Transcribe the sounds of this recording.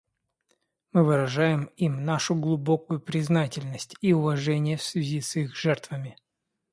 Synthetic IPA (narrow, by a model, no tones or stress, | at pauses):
mɨvɨɾɐʐajɪmimnaʂʊɡlˠʊbo̞kʊjʊpɾʲɪznatʲɪlʲnəsʲtʲiʊvɐʐɛnʲɪjəfsvʲɪzʲisixʐɛrt̪vəmʲɪ